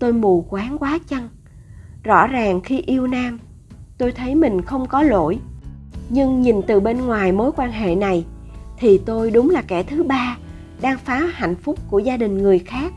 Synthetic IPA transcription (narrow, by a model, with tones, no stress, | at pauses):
t̪o˧jmu˨˩kwaː˨˦ŋkwaː˨˦t͡ɕə˧n | zɔ̰˧˥zaː˨˩ŋxi˧ʔi˧əwnaː˧m | t̪o˧jt̪ʰə˨˦jmï˨˩ŋ̟xə˧wŋ͡mkɔ˨˦lo̰˧˨j | ɲɨ˧ŋɲi˨˩nt̪ɨ˨˩ɓe˧nŋwaː˨˩jmo˨˦jkwaː˧nɦḛ˧˨na˨˩j | t̪ʰi˨˩t̪o˧jɗʊ˨˦ŋ͡mlaː˨˩kɛ˧˩t̪ʰɨ˨˦ɓaː˧ | ɗaː˧ŋfaː˨˦ha̰˧˨jŋ̟fʊ˦˥k͡p̚ku˧˩əzaː˧ɗï˨˩ŋ̟ŋɨ˨˩əjxaː˦˥k̚